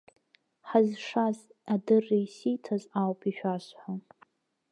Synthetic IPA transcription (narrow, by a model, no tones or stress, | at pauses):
ħazʂazadɨrːijsitʰazawpʰiʃᶣaʃħa